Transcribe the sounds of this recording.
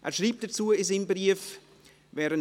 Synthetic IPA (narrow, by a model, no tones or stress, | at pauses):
ʔɛːʃɾiːp̚d̥ɐt͡suːəɪsimbriəf | vɛːɾən